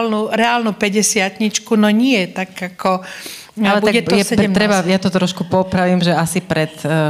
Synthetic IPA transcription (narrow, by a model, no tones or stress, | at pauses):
lnuɾɛaːlnupɛɟɛsɪat̪ɲit͡ʃkunɔɲɪɛt̪aɡakʰɔ | allɛbuaɛt̪ɔɛsɛɛmnɾɛbajat̪ɔt̪ɾɔʃkupɔpɾaʋiːmʒɛasipɾɛt̪